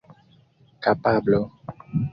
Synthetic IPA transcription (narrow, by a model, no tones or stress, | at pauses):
kapablo